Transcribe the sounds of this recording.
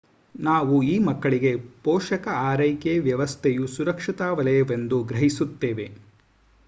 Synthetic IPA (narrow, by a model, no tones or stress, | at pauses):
naːʋuiːmɐkːɐɭiɡe̞pɔːʂɐkɐaːɾɐjkeʋjɐʋɐst̪ʰɛjusuɾɐkʂit̪aːʋɐlɐjɐʋe̞nd̪uɡɾɐɦisut̪ːeːʋe̞